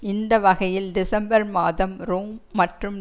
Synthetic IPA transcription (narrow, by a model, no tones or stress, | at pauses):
ɪnd̪ɐʋɐɣɐjɪld̪ɪsɐmbɐɾmaːðɐmɾoːmːɐʈrɯm